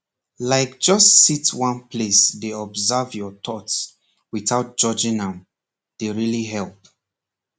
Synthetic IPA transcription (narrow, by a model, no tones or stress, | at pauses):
laɪk̚d͡ʒʌstsitwãnpʰlesdeɔbzɛvjɔtʰɔts | wiθaʊt̚d͡ʒ̥ɔd͡ʒĩŋãm | d̥eɹiliɦɛlˠp̚